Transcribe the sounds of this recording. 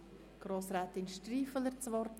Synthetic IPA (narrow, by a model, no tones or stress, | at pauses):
ɡ̥ɾoːsɾaːt̪ɪnʃtriːfələɾt͡sʋɔɾt